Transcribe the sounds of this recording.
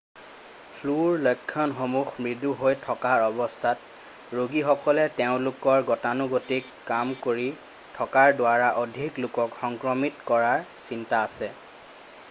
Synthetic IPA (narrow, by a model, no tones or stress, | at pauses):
pʰluɹlojkʰːɔnxomuxmɹiduɦojtʰɔkaɹɔbɔstʰat | ɹoɡixɔkɔlɛteʊ̃lʊkɔɹɡɔtanuɡotikːamkoɹi | tʰɔkaɹdʊaɹaʔodʱiklʊkɔkxɔŋkɹɔmitkɔɹaɹsintaːsɛ